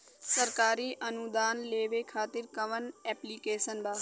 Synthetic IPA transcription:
səɾkaːɾiːʔənud̪aːnleːʋeːkʰaːt̪ɪɾkəʋənɛːpliːkeːsənbaː

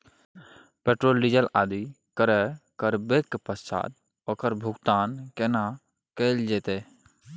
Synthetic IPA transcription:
peʈɾoːlɖid͡ʒəlaːd̪i | kəɾɛkəɾbekpəst͡ʃa̰ːt̪̚ | oːkəɾbʱuɡt̪aːnkena | kəld͡ʒɛːt̪e

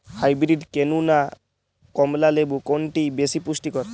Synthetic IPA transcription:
hajbɾiʈkenuna | kɔmlalebukonʈibesipusʈikɔɾ

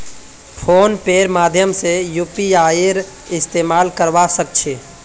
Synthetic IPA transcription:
pʰoːnpeɾmaːd̪ʱjəmsejupiaːɾ | ɪst̪eːmaːlkəɾʋasək̚t͡ʃʰeː

